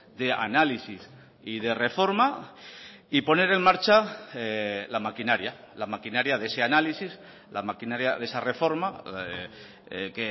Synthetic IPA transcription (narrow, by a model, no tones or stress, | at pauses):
d̪e̞a̰nalisis | ið̞e̞re̞fo̞ɾma | ipo̞ne̞ɾe̞nmaɾt͡ʃaelamakinaɾja | lamakinaɾjaðe̞seanalisis | lʔa̰makinaɾjaðe̞sare̞fo̞ɾma | ke